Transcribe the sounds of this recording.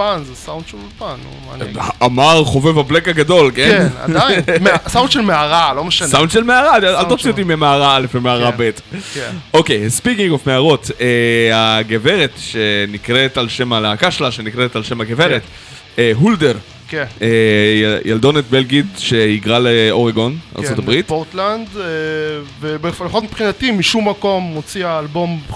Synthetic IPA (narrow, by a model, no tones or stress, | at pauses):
panzesawnd̥̪ʃelulpan̰ | aamaʁχo̞ve̞vablekaɡado̞lkenna̰d̪ajsawnd̪ʃelmeaʁalomeʃasawnd̪ʃelmeaʁaalt̪osiot̪̬imemeaʁaale̞fbemeaʁabet̪ | o̞kejspikiŋɡofmeaʁo̞t̪eaɡeve̞ʁet̪ʃenikʁetalʃe̞malakaʃlaʃenikʁetalʃe̞maɡeveʁet̪ | ɦulde̞ʁ | keejald̪o̞net̪̚belɡitʃe̞iɡʁaleoʁeɡo̞na̰ʁsot̪abʁit̪oʁt̪land̪ | vebefalaχot̪mi̥pχinat̪imiʃumːako̞mːot͡siaːlbo̞m